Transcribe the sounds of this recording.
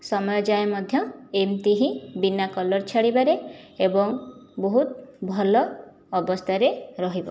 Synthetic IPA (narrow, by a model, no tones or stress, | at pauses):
sɔmɔjɔd͡ʒajmɔd̪ʱjɔemt̪iɦĩbinːakɔlɔɾt͡ʃʰaɽibaɾeebɔŋbɔɦut̪bʱɔlɔː | bɔst̪ʰaɾeɾɔɦibɔ̰